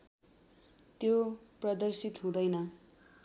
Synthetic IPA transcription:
t̪joprʌd̪ʌrsit̪ɦũd̪ʌjnʌ

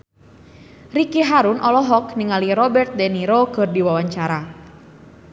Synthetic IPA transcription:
rikiɦaɾʊnʔɔlɔɦɔkniŋaliɾɔbɛrt̪̚deniɾokərdiwawaɲt͡ʃaɾa

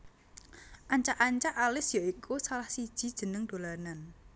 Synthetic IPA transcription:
ʔaɲt͡ʃaʔaɲt͡ʃaʔalɪsjaikusalahsid̥ʒ̥i̤d̥ʒ̥ə̤nəŋd̪̥o̤lanan

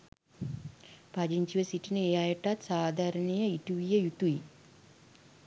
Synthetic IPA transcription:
pad͡ʒiɲt͡ʃiʋəsiʈinəejajəʈat̪saːd̪ʱaɾənɐjəiʈuʋijəjut̪ui

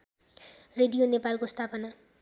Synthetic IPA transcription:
redijonepalkost̪ʰapʌna

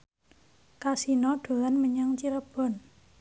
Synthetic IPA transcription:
kasinɔɖ̥o̤lanməɲaŋt͡ʃiɾəb̥ɔ̤n

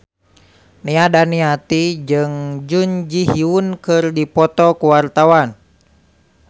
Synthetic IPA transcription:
niadaniat̪id͡ʒɨŋd͡ʒuɲd͡ʒiɦiunkɨrdipɔt̪ɔkuwart̪awan

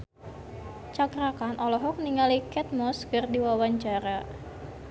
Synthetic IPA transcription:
t͡ʃaɡɾakanʔɔlɔɦɔk̚niŋalikɛt̪̚mɔskərdiwawaɲt͡ʃaɾa

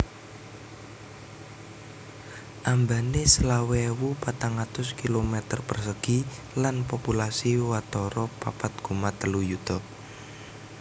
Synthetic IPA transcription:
ʔambanesəlawɛwupat̪aŋat̪ʊskilomɛt̪ərpərsəɡ̥i | lanpopulasiwat̪ɔɾɔpapat̪̚ɡ̥ṳmat̪əlujut̪ɔ

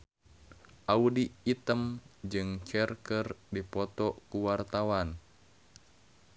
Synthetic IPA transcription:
ʔaudiːt̪əmd͡ʒɨŋt͡ʃɛrkərdipɔt̪ɔkuwart̪awan

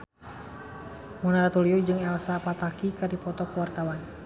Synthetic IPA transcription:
munaɾat̪uliud͡ʒɨŋɛlsapat̪akikadipɔt̪ɔkəwart̪awan

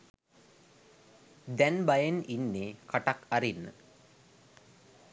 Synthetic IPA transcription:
d̪ænbajəninːekʰaʈakaɾinːə̰

